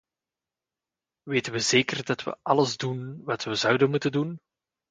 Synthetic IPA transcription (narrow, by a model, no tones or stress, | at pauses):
ʋeːtənʋəzeːkərdɑtʋə̰ʔɑləzdunʋɑtʋəzʌwdənmutəndun